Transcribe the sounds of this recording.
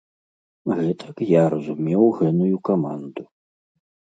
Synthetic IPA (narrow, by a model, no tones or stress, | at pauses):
ɣɛt̪ʰɐkjaɾɐzumʲɛwɣɛnujukama̰nd̪u